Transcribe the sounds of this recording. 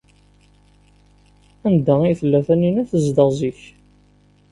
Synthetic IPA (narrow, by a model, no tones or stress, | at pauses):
ænd̪æijθəlːæθænːinæθəzd̪əʁziç